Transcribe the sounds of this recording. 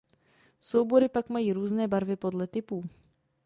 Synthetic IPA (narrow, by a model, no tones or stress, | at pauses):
sɔwbɔɾipaɡmajiːɾuːznɛːbaɾvɪpɔd̪lɛt̪ɪpu